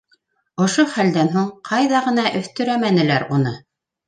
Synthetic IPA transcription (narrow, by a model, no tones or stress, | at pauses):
ŏʃoχæld̪ænɦuɴqʰɑjðɑʁɤ̆n̪ɑʔɵ̆θt̪ɵ̆ɾæmænɘ̆læɾunɤ